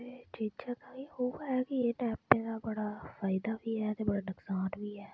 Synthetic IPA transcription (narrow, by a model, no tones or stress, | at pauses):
et͡ʃiːt͡ʃak̪ajeɦoaɦɛkijeːnɛːpẽk̪abəɽaːfaːɪd̪abʱiɦɛːt̪ebəɽanəksaːnbʱiːɦɛː